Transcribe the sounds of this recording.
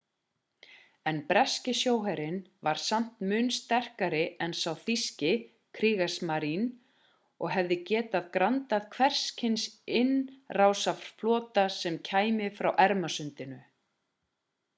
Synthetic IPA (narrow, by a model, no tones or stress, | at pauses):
ɛnpɾɛscɪsjoːwɦɛɾɪnvaɾ̥sam̥t̪mʏnst̪ɛr̥kaɾɪɛnsawθiscɪ | kʰɾiːɣasmaɾin | ɔɣɦɛvðɪcɛːt̪aðkɾant̪aðkʰvɛr̥scʰɪnsɪnrawsafɾ̥flɔːt̪asɛmcʰaːjmɪfɾawʔɛɾmasʏnt̪ɪnʏ